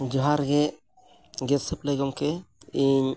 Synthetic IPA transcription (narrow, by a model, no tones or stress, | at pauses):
d͡ʒɔɦaɾɡɛ | ɡɛtsəplɛɡɔmkɛiɲ